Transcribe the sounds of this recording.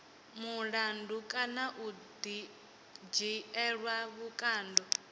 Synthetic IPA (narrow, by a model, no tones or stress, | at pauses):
muɺandukʼanaʔudi | d͡ʒiɛɺwaβukʼaːndɔ